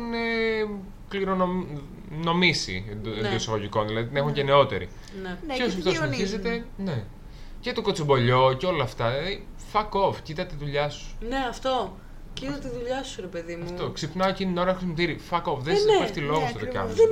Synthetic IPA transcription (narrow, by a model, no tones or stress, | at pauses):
ine | kliɾono | no̞misḭed̪iosɐɣoʝiko̞nðilɐðit̪ine̞xuɲʝeneo̞t̪e̞̰ɾḭ | neos̬iɐft̪oiçiszet̪e̞ne̞ | cet̪oko̞t͡sibo̞ʎo̞ceo̞lɐːft̪ɐi | fɐkovcit̪ɐt̪iðuʎɐsu̥neɐft̪o̞ | cit̪ɐt̪eiðuʎɐsuɾepeðimɐfutt̪oksipnɐoecinino̞ɾɐxɾsimot̪iɾifɐkovðenspeft̪ilo̞ɣost̪ot̪okɐ̰m